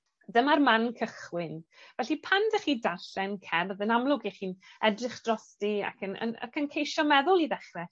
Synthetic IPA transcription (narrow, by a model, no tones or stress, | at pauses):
dəmarmankʰəχwɪnvɛɬipʰandəχiːdarɬɛnkʰɛrðənamlˠʊɡiχiːnɛdrɪχd̥rɔstia̰kʰənə̰nə̰kʰənkʰejʃɔmɛðʊlˠiðɛχrɛ